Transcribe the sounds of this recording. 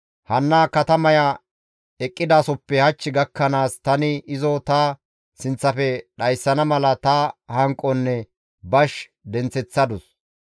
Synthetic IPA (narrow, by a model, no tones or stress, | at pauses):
hɐnːaːkɐt̪ɐmɐjɐ | ɛkʼːɪd̪aːsɔpːɛhɐt͡ʃːɪɡɐkːɐnaːst̪ɐnɪɪzɔt̪ɐ | sɪnt͡sːɐfɛɗɐjsːɐnɐmɐlɐt̪ɐhɐŋkʼːɔnːɛ | bɐʃ | d̪ɛnt͡sɛt͡sːɐd̪ʊs